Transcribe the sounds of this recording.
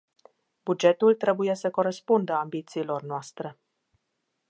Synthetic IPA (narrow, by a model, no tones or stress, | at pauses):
bud͡ʒe̞t̪ult̪ɾe̞buje̞səko̞ɾespund̪əambit̪siːlo̞rnoast̪ɾe̞